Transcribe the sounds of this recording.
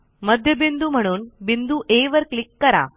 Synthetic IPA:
mɐd̪ʱjəbind̪um̤ɐɽ̃uːnbind̪uʔeːʋəɾkɭikːɐɾa̰

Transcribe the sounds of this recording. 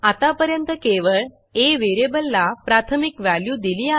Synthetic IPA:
at̪apəɾjənt̪əkeʋəɭ | eʋeɾebəlːapɾat̪ʰəmikʋæljud̪iliːa

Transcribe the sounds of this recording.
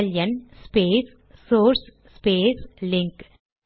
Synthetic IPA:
ljɐnspeːs | soːɾs | speːslɪŋk

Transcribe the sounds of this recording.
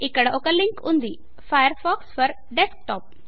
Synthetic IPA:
ɪkəɽoːkəlːɪ̃ŋkʊ̃nd̪iː | faːjəɾfɔːksfɔɾ | ɖesk̚ʈɔːp̚

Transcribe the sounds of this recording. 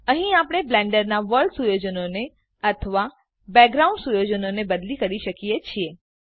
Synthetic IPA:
əɦĩapəɽ̃eblɛ̃ɳɖəɾnaʋəɾɭɖsujod͡ʒənone | ət̪ʰəʋa | bɛɡɾaũɳɖsujod͡ʒənonebəd̪likəɾiʃəkijet͡ʃʰie

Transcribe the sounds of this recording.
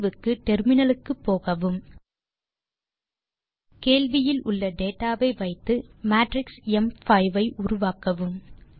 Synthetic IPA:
ʋɯkːɯʈɛɾmɪnɐlɯkːɯpːoːɣɐʋɯm | keːɭʋɪjɪlʔʊɭːɐɖeːʈːaːʋɐɪʋɐɪt̪ːɯmaːʈɾɪksɛmfɐɪʋɐɪʔʊɾʊʋaːkɐʋɯm

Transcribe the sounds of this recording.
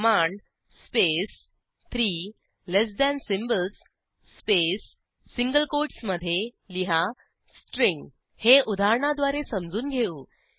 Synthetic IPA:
maɳɖ | spes | t̪ʰɾiː | les̬d̪ænsimbəlsː | pesː | iŋɡəlkoɾʈsməd̪ʱːje | liɦa | sʈɾĩŋɡ | heʔud̪ʱaɾɳad̪ʋaɾesəmd͡zuːnɡʱeũː

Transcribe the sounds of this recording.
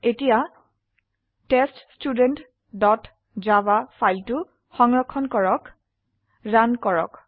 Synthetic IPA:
etija | teststudent | dɔt | zabafʰajltʊ | xɔŋɹɔkʰːɔnkɔɹɔk | ɹankɔɹɔ̰k

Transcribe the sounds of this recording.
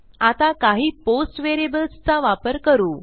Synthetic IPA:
at̪akaɦiːposʈʋeɾebəlst͡saʋapəɾkəɾuː

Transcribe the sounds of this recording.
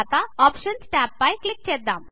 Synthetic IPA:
t̪aɔːpʃənsʈæːpːajklik̚t͡ɕed̪am

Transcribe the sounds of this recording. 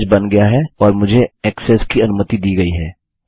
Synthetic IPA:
d͡ʒbɐnɡɐjaɦɛɔːɾmʊd͡ʒʱeɛːksɛːskiɐnʊmət̪id̪iːɡɐiɦɛː

